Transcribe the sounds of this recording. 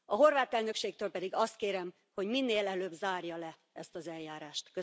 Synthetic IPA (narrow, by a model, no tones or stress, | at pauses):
ɒɦo̞rvaːt̪ɛlnøkʃeːk̚t̪øːlpɛd̪iɡɒst̪̚keːɾɛm | ho̞ɟminːeːlɛløːbzaːrjɒlɛ | ɛst̪ɒzɛljaːɾaːʃt̪kø